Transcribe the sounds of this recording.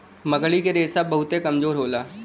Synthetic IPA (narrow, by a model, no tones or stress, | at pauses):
mɐɡɭikeɾeːsabɐɦʊt̪ekɐmzoːɾɦoːlaː